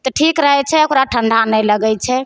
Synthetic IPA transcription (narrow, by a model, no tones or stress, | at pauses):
t̪ɔʈʰikɾəɦɛt͡ʃʰɛokɾaʈʰəɳɖ̪ʱanɛjləɡɛt͡ʃʰɛ